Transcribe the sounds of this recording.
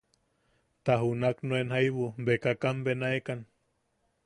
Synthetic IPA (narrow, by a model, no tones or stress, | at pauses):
t̪aɦunaknoenhajβumbekakambenaekan